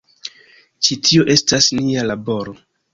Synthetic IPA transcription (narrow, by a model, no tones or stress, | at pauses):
t͡ʃitʰio̞ʔe̞stasnialabo̞ɾo̞